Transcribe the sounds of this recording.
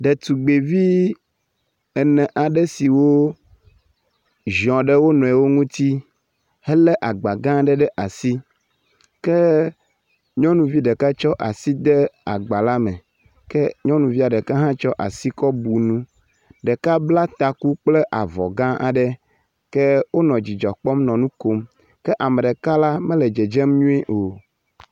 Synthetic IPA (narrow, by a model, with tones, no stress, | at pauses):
ɖɛ˨t̪u˨ɡ͡be˨vi˦ | ɛ˨nɛ̃˨ʔa˨ɖɛ˦si˨wo˦ | ʒɔ̃˨ɖɛ˦wo˦nɔ̃˨ɛ˨wo˦ŋũ˦t̪i˦ | hɛ˦lɛ˦ʔa˨ɡ͡ba˨ɡã˦ɖɛ˦ɖɛ˦ʔa˨si˦ | kɛ˦ | ɲɔ̃˦nũ˨vi˦ɖɛ˨ka˦t͡ʃɔ˦ʔa˨si˦d̪ɛ˦a̰˨ɡ͡ba˨la˦mɛ̃˨ | kɛ˦ɲɔ̃˦nũ˨vi˦a˨ɖɛ˨ka˦ɦã˦t͡ʃɔ˦ʔa˨si˦kɔ˦bu˨nũ˦ | ɖɛ˨ka˦bla˦t̪a˨ku˦k͡ple˦ʔa˨vɔ̰˨ɡã˦ʔa̰˨ɖɛ˦ | kɛ˦wo˦nɔ̃˨d͡ʑi˨d͡ʒɔ˨k͡pɔ˦mnɔ̃˨nũ˦ko˦m | kɛ˦ʔa˨mẽ˨ɖɛ˨ka˦la˦mẽ˦lɛ˨d͡ʒe˨d͡ʒe˦mɲũ˦e˦ʔo˨